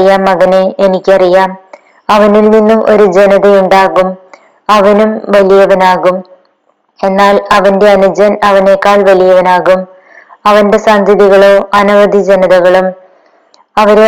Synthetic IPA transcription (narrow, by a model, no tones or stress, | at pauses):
ijaːmɐɣɐneenikʲːɐrijaːm | ɐʋɐnilninːumʔo̞̰ɾud͡ʑe̞nɐðɐjuɳɖaːɣum | ɐʋɐnumʋɐlijɐʋɐnaːɣum | e̞nːaːlɐʋɐnde̞ɐnud͡ʑɐnɐʋɐne̞ːkːaːɭʋɐlijɐʋɐnaːɣum | ɐʋɐnde̞saːnd̪ʱɐðiɣɐɭo̞ːʔɐnɐʋɐd̪ʱid͡ʑe̞nɐðɐɣɐɭum | ɐʋɐɾe